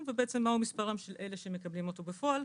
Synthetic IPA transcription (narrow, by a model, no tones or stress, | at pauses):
vebeet͡semːahumispaʁamʃelʔe̞leʃemekɐblimo̞t̪obefo̞al